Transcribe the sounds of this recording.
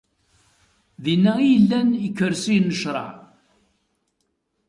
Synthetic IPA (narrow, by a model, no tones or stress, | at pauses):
ðinːæijəlːænjəkːəɾsinːəʃɾˤɑ̰ʕ